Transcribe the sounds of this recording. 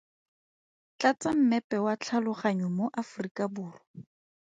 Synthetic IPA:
t͡ɬat͡sam̩mɛpɛwat͡ɬʰalʊχaɲɔmoʔafrikʼabuːrɔ

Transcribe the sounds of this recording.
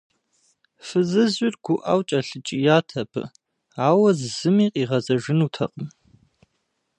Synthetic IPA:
fɨzɨzɪrɡ̥ʷʊʔa̰wt͡ʃʼɐɬɨt͡ʃʼijaːtʰɐpʰɨ̰ | aːwɐzzɨmiːqʼiːʁɐzʼɐʒɪnuːtʰɐ̰qʼəm

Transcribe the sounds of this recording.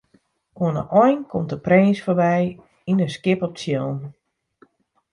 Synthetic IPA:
oənə̰ʔɔjnkʰɔmtdəpreːnsforbɛj | inəskɪpɔp̚sjoːn

